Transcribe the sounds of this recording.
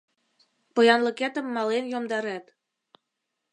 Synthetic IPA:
pɤ̆jɑnlɤ̆kæt̪ə̆mːɑlenjomd̪ɑɾæt̪

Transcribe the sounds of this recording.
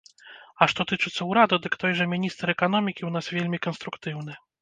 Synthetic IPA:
ɐʂt̪ɔt̪ɨt͡ʂɨt̪sːɐwɾad̪ud̪ɨkt̪ɔjʐɐmʲinʲist̪ɾɛkan̪ɔmʲikʲiwn̪asvʲelʲmʲikɐnst̪ɾukt̪ɨwnɨ

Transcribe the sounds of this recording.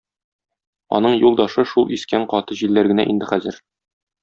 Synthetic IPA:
ɒ̰nɤɴjulˠd̪ɑʃɤʃulˠiskæɴqɒt̪ɤʑilːæɾɡɘ̆næ̰ʔḭnd̪ɘχæzɘɾ

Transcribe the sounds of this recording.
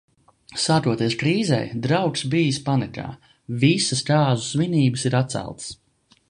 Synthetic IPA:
saːkɾuɔt̪iɛskɾiːzɛ̰jd̪ɾawksbijɨspanɛka̰ː | visəskaːzusviniːbəsiɾat̪t̪sæ̰lˠt̪s

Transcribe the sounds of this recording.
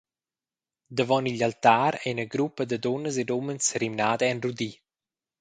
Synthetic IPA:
d̪əvɔniʎalt̪aːɾɛnəɡɾupəd̪əd̪ɔnəsed̪omənsrimnaːd̪əɛnrud̪i

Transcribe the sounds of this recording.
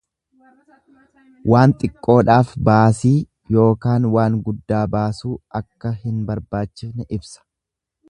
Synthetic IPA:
waːnt̪ʼɪkʼːo̞ːᶑaːfbaːsiː | jo̞ːkaːnwaːŋɡʊd̪ːaːbaːsuːʔɐkːɐhɪnbɐɾbaːt͡ʃːɪsnɛʔɪbsɐ̥

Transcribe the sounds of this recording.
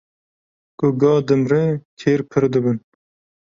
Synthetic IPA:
kʊɡɑːd̪ɨmɾet̪ʰeːɾpʰɨɾd̪ɨbɨn

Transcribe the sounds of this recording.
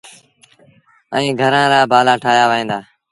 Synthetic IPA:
ə̰̃ĩːɡʱəɾãːɾaːbaːlaːʈʰaːjaːʋːĩːnd̪aː

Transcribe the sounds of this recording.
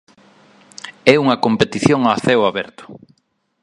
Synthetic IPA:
ɛuŋɐkompet̪iθjoŋaːθɛwaβɛɾt̪ʊ̥

